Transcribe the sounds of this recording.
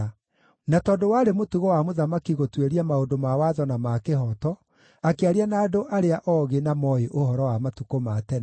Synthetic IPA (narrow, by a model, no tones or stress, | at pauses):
natɔːdowaɾemotuɣowamoðamakiɣotweɾiamaondomawaðɔnamakeɦɔtɔ | akeaɾianaːdoʔaɾeaʔɔːɣenamɔeʔoɦɔɾɔwamatukomatɛn